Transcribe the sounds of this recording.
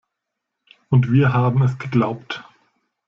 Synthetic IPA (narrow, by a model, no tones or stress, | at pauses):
ʔʊntv̥iːɐɦaːbm̩ɛsɡ̥əɡlaʊpt